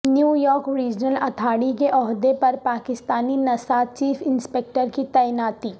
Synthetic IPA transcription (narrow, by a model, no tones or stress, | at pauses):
njuːjɔːɾkɾiːd͡ʒnəlɐt̪ʰaːɽikeʔɔːɦd̪epɐɾpaːkɪst̪aːninɐsaːt͡ʃiːfɪnspeːk̚ʈəɾkit̪ɛjnaːt̪iː